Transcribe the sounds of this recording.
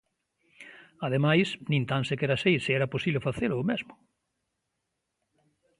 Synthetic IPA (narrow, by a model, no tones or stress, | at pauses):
aðemajsnĩnt̪ansɪkɛɾasejsɪɛɾɐposiβlofaθeɾoːmezmʊ